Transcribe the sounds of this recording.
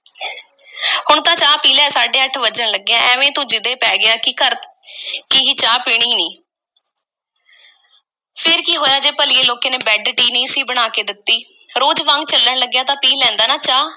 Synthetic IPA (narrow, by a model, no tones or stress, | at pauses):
hʊɳt̪ãːt͡ʃaːpiːlɛːsaːɖeːəʈʰʋəd͡ʒəɳləɡːjãːʔɛːʋẽːt̪ʊd͡ʒɪd̪eːpɛːɡɪjaːkkəɾ | kɪɦit͡ʃaːpiːɽ̃ɪ̃ːniː | pʰɪɾkiːɦoːjaːd͡ʒeːpəliːeːloːkeːneːbɛːɖʈiːnĩːsĩːbəɽ̃aːkeːd̪ɪt̪ːiː | ɾoːd͡ʒʋãŋɡ̚t͡ʃəlːəɳləɡːjaːt̪ãːpiːlɛ̃ːnd̪aːnaːt͡ʃaː